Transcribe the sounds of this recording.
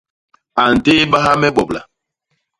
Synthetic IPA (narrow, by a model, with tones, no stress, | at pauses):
a˨n̩˨teː˦ɓa˦ɦa˦mɛ˦ɓɔ˨bla̰˨